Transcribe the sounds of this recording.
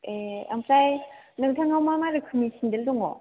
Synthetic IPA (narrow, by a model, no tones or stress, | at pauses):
ea̰msajnɯŋtʰaŋamamaɾɯkʰɯmiɕʰindɯɭdɯŋo̰